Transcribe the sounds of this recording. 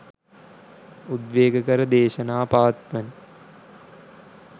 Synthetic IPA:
ud̪ʋeːɡəkəɾəd̪eːʃənaːpaːt̪ʋən

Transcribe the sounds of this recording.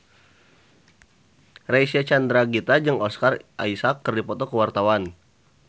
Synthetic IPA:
raisiat͡ʃand̪ɾaɡit̪ad͡ʒɨŋɔskarʔa̰isakːərdipɔt̪ɔkəwart̪awan

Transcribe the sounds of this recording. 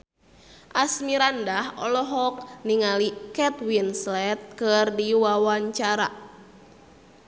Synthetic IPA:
ʔasmiɾandahʔɔlɔɦɔk̚niŋalikɛt̪winslɛt̪̚kɨrdiwawaɲt͡ʃaɾa

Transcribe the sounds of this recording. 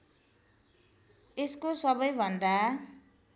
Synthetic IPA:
eskosʌbʌjbʱʌnd̪a

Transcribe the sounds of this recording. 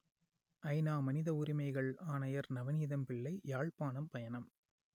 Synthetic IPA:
ʔɐɪnaːmɐnɪðɐʊɾɪmɐɪɣɐɭaːnɐjɐɾnɐʋɐniːðɐmpɪɭːɐɪjaːɭpaːnɐmpɐjɐnɐm

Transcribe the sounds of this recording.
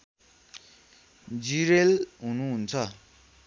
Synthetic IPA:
d͡ʑiɹelɦununt͡sʰa

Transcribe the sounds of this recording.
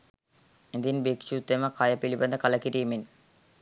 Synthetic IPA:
ind̪inbikʃut̪ːeməkajəpilibɐnd̪əkaləkiɾiːmin

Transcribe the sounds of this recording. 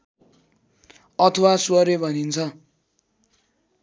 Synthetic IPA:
ʌt̪ʰʌwaswʌɾebʱʌnint͡sʰʌ

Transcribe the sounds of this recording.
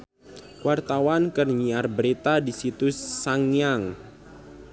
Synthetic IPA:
wart̪awankərɲiarbəɾit̪adisit̪usaŋjaŋ

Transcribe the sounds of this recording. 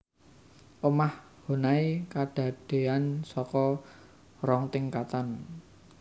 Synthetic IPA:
ʔəmah | ho̤naikaɖ̥a̤ɖ̥e̤ansɔkɔ | rɔŋt̪iŋkat̪an

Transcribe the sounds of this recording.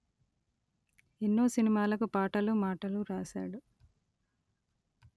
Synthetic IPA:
enːo̞ːsinimaːlɐkupaːʈɐlumaːʈɐluɾaːsa̰ːɽu

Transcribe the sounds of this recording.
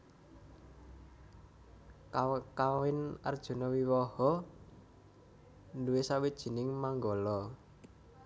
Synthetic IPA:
kawɪna̰rd̥ʒ̥ṳnɔwiwɔhɔ | nduwesawid̥ʒ̥i̤nɪŋmaŋɡɔlɔ

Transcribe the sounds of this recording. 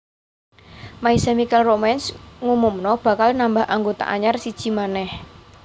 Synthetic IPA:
maisamikɛlromɛnsŋumumnɔb̥ä̤kalnambahʔaŋɡot̪a̰ʔaɲarsid̥ʒ̥i̤manɛh

